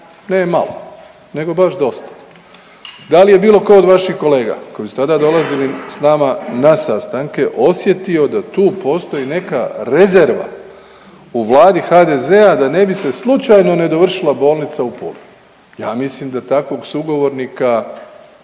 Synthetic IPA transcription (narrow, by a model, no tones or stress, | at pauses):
nema̰lo̰ | ne̞ɡo̞baʃd̪o̞st̪ḁ | d̪alije̞biːlo̞kod̪ʋaʃixko̞le̞ːɡa̰ko̞jisu̥t̪ad̪ad̪o̞lˠazilisnaːmanasast̪aŋke̞ʔo̞sje̞t̪io̞d̪at̪uːpo̞ːst̪o̞jine̞ka̰ɾe̞ze̞ɾʋa̰ | uʋlˠaːd̪ixad̪e̞ze̞ad̪ane̞bise̞slˠut͡ʃajno̞ne̞d̪o̞ʋr̩ʃilˠabo̞ːlˠnit̪saupo̰li | jaːmisliːmd̪at̪akʋo̞ɡsuɡo̞ʋo̞ɾnika